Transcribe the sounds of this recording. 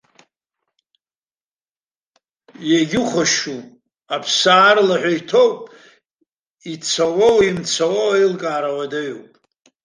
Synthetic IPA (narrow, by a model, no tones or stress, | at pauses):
jaɡʲɪχʷaʃu | apʰsaːrlaħʷᶣaitʰowpʼ | it͡sʰawowimt͡sʰawowailkʼaːɾawadaɥopʼ